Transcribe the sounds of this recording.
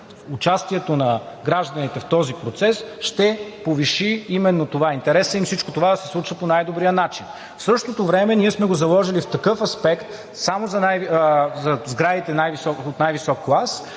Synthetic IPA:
ʊt͡ʃast̪iɛt̪onɐ | ɡɾaʒd̪ɐnit̪ɛft̪ɔzipɾot̪sɛsʃt̪ɛpoviʃiimɛnːot̪ovaint̪ɛɾɛsəimfsit͡ʃkot̪ovad̪ɐsɛ̥slˠut͡ʃɐponajd̪obɾijənat͡ʃin | fsɤʃt̪ot̪ovɾɛmɛniɛsmɛɡozɐlˠɔʒilift̪ɐkɤfɐspɛkt̪ | samozɐnajzɐzɡɾavit̪ɛnajvisɔot̪najvisɔkːlˠas

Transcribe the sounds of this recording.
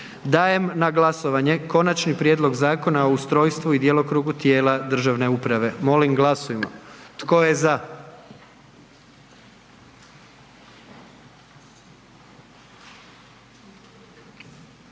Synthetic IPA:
d̪aːje̞mnaɡlˠaso̞ʋaɲe̞ko̞nat͡ʃnipɾje̞ːd̪lo̞ɡzaːko̞naoust̪ɾo̞ːjst̪ʋuid̪je̞lˠo̞kɾuːɡut̪je̞ːlad̪r̩ʒaʋne̞upɾaʋe̞mo̞limɡlˠasujemo̰t̪koje̞za

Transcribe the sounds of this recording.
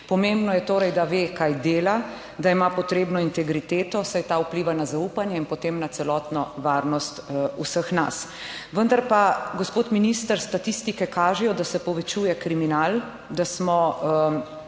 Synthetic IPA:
pɔmembnɔjɛt̪oːɾɛjd̪aʋeːkajd̪eːla | d̪aimapɔt̪ɾeːbnɔint̪ɛɡɾit̪eːt̪ɔsajt̪aːupliːʋanazaupanjɛinpɔt̪emnat̪sɛlɔːt̪nɔʋaɾnɔst̪usəxna̰s | ʋənd̪aɾpaɡospoːt̪minist̪əɾst̪at̪ist̪ikɛkaːʒɛjɔd̪asɛpɔʋɛt͡ʃuːjɛkɾiminal | d̪asmɔ

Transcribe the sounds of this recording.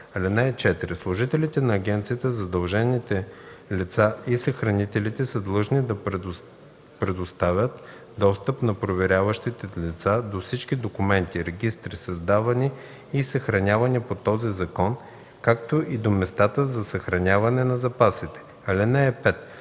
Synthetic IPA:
ɐlɛnaɛt͡ʃɛt̪ɾislˠʊʒit̪ɛlit̪ɛnɐːɡʲɛnt̪sijət̪əzɐd̪ɐlˠʒɛnit̪ɛlit̪saisəxɾɐnit̪ɛlit̪ɛsəd̪lˠɤʒnid̪ɐ | pɾɛd̪ʊst̪avʲjət̪ | d̪ɔst̪əpnɐpɾovɛɾʲavəʃt̪it̪ɛlʲit̪sad̪ofsit͡ʃk̟ʲid̪okʊmɛnt̪iɾɛɡʲist̪ɾisɐzd̪avɐniː | sɐxɾɐnʲavɐnipot̪ɔzizɐkɔn | kak̚t̪oʔid̪omɛst̪at̪əzɐsɐxɾɐnʲavɐnɛnɐzɐpasit̪ɛ̥ | ɐlɛnaɛpɛt̪

